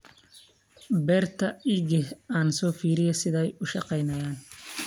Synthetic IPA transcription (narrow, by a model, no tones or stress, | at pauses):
bɛːrt̪ʰɐɪɣɛhaːnsɔːfiːɾɪjɐsɪðɛjʊʃɑqɛjnɐjaːn